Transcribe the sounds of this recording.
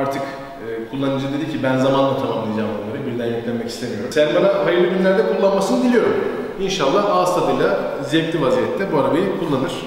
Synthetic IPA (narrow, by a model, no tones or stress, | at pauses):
aɾt̪ʰɯkː | kʰulˠːanɯd͡ʒɯd̪e̞d̪icʰibænzamanlˠat̪ʰamamlˠɯjd͡ʒaːmbonlːˠaɾɯbiɾlʲæɾjøclʲænmɛcʰislʲemijo̞ɾumsænbanaɦajɯɾlʲˠiɯbinʲlʲæɾd̪ɛkʰulˠːanmasɯnɯbilʲijo̞ɾum | inʃalˠːahaːst̪ʰad̪ɯjlʲˠa | zɛclʲivazijɛt̪ʰːɛbuaɾabajikʰulˠːanɯɾ̥